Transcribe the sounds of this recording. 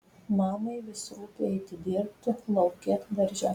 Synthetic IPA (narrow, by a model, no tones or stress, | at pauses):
mɑːmɐɪʋʲɪsɾuːpʲeɛɪt̪ʲɪd̪ʲɪːɾʲp̚ʲt̪ʲɪlˠɒʊkʲeːt̪ʋɐɾʲʒʲɛ